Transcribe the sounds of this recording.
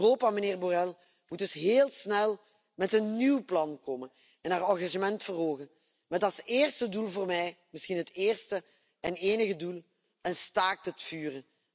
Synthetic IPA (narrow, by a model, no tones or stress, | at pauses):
roːpaməneːrborɛlˠ | mudɵsɦeːlˠsnɛlˠ | mɛtənːywplɑnkoːmən | ɛnɦaːrɑɣaʒəmɛntfərɦoːɣən | mɛtɑlˠseːrstədulˠvoːrmɛjmɪsxinɦəteːrstə | ɛneːnəɣədulˠ | ənstaːk̚tətfyːrən